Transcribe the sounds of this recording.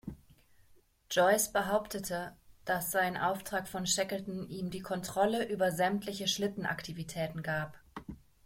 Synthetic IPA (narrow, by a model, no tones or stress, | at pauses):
d͡ʒ̥ɔʏsb̥əɦaʊptʰətʰəd̥asz̥aɪnənʔaʊftʁ̥aːkfɔnʃɛkəltn̩ʔiːmdiːkʰɔntʁ̥ɔləʔyːbɐzɛmtʰlɪçəʃlɪtn̩ʔa̰ktʰivitʰɛːtn̩ɡaːp